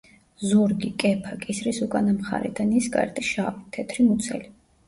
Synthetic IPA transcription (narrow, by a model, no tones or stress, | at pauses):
zuɾɡikʼɛpʰakʼisɾisukʼanamχa̰ɾɛ̰d̪ʰanisɡa̰ɾt̪ʼiʃavit̪ʰɛt̪ʰɾimut̪sʰɛli